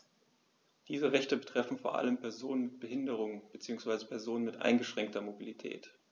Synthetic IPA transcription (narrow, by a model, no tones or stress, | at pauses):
d̥iːzəʁɛçtəbətʁ̥ɛfn̩foːɐʔa̰ləmpɛɐzoːnənmɪt̚b̥əɦɪndəʁ̞ʊŋb̥ət͡siːʊŋsv̥aɪzəpʰɛɐzoːnənmɪtʔa̰ɪnɡəʃʁ̥ɛŋk̚tʰɐmobilitʰɛ̰ːt